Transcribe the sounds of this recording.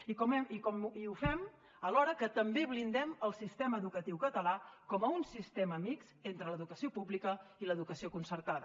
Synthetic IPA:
ikɔmɛmikɔmiufɛm | əlɔɾəkət̪əmbeβlind̪ɛməlˠsist̪ɛməːðukət̪iwkət̪əlakɔməunsist̪ɛməːmikzent̪ɾələðukəsiopublikəiləðukəsiokunsəɾt̪aðə

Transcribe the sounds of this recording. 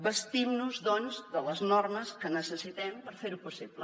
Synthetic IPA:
bəst̪imnuzðɔnzðələznɔrməskənəsəsit̪ɛmpəɾfeɾupusiβlə

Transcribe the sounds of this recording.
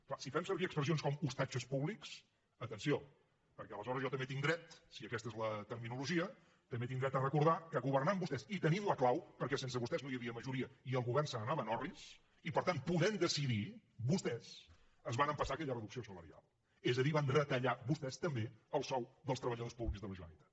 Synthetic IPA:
klasifɛmsəɾβiəkspɾəs̬ionskɔmust̪ad͡ʒəspuβliks | ət̪ənsio | pəɾkɛələzɔɾəzʒɔt̪əmbet̪iŋd̪ɾɛt̪siəkɛst̪əezlət̪əɾminuluʒiə | t̪əmbet̪iŋd̪ɾɛt̪ərəkuɾðakəɣuβərnambust̪ɛsit̪ənimləklawpəɾkɛsensəβust̪ɛznojəβiəməʒuɾiəiəlˠɣuβɛrnsənənaβənɔrβis | ipəɾt̪anpuðɛnd̪əsiði | bust̪ɛs | əzβanəmpəsaəkɛʎərəðuksiosələɾia̰lˠ | ezəðiβanrət̪əʎaβust̪ɛst̪əmbeəlˠsɔwðəlˠst̪ɾəβəʎəðospuβlikzðələʒuə̰nḭt̪ḁ

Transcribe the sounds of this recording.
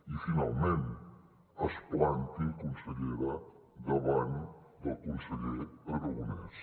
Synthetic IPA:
ifinalˠmẽnt̪ | ɐsplant̪ikunsəʎeɾa | d̪aβand̪əlˠkunsəʎeɾerəɣunḛs

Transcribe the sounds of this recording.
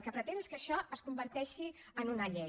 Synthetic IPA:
lˠkəpɾət̪eneskəʃɔəskumbəɾt̪ɛʃi | ənunəʎɛ

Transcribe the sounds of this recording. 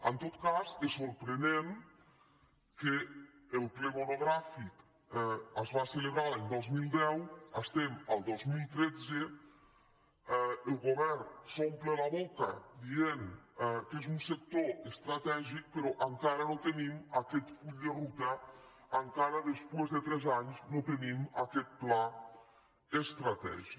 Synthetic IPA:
ant̪ot̪kasesoɾpɾenem | keːlkleβonoɣɾafik | azβaseleβɾalend̪ɔzmilˠd̪ɛwast̪emalˠd̪ɔzmilt̪ɾed͡ze | elɣoβɛɾnsomplelaβoka̰d̪ieŋkezunsek̚t̪oest̪ɾat̪ɛʒik̚peɾɔʔaŋkaɾənot̪enimakɛt̪fuʎd̪erut̪əː | ŋkaɾəðəspwezðət̪ɾɛzaɲznot̪enimakɛt̪̚pla | est̪ɾat̪ɛ̰ʒik

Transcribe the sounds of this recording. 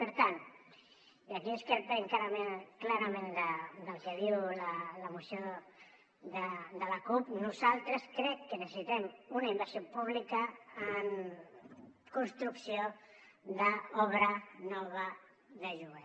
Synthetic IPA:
pəɾt̪an | akiəskəɾpɛŋkaɾəmeklaɾəmẽnd̪əd̪əlˠkəðiwlələmusjo | ðəd̪ələkupnuzalˠt̪ɾəskɾɛkːənəsə̥sit̪ɛmunaimbəɾsiopuβ̞likəːŋ | kunst̪ɾuksio | d̪əɔβ̞ɾənɔβ̞ə | ðəʒuβe

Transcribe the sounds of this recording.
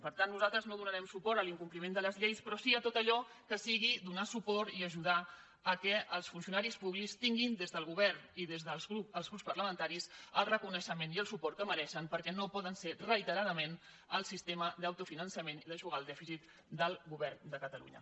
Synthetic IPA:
pəɾt̪anːuzalˠt̪ɾəznoðunəɾɛmsupɔɾt̪əliŋkumplimend̪ələzʎejspɾɔsiət̪ot̪əʎɔ | kəsiɣ̞id̪unasupɔɾt̪iəʒuð̞a | əkɛʔəlˠsfunsiunaɾispuβlikst̪iŋɡind̪ezðəlˠɣuβɛrniðezðəuəlˠzɣɾupspərləmə̃nt̪aɾisəlˠrəkunəʃəmeniəlˠsupɔɾt̪kəməɾɛʃəmpəɾkɛnopɔðənserəit̪əɾaðəmen | əlˠsist̪emədðəwt̪ufinənsəmeniðəʒuɣaəlˠd̪ɛfisit̪ | d̪əlˠɣuβɛrnd̪əkət̪əlṵɲə̰

